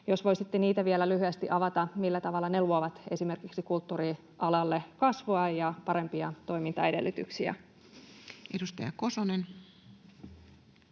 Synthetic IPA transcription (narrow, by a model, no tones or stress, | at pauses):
jo̞sʋo̞jsit̪ːeniːt̪æʋielælyɦyæst̪iʔɑʋɑt̪ɑmilːæt̪ɑʋɑlːɑneluoʋɑt̪e̞sime̞rkiksikult̪ːuːri | ʔɑlɑlːe̞kɑsʋoɑjɑpɑɾe̞mpiɑt̪o̞jmint̪ɑe̞de̞̰lːyt̪yksiæ̰ | edust̪ɑjɑ̰ko̞sonen